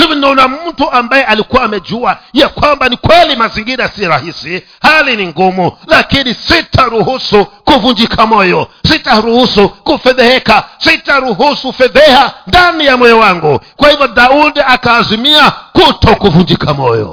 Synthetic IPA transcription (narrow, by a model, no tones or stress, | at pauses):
sivinɛɔnamm̩tuʔambajɛʔalikuwaːmɛd͡ʒuajakwambanikwɛlimaziŋɡiɾasiɾahisi | haliniŋɡumulakinisitʰaɾuhusukuvund͡ʒikʰamɔjɔsitaɾuhusukufɛðɛhɛkasitaɾuɦusufɛðɛhandanijamɔjɔwaŋɡukwahivjɔd̪audakaːzimiakutʰɔkuvund͡ʒikʰamɔjɔ̰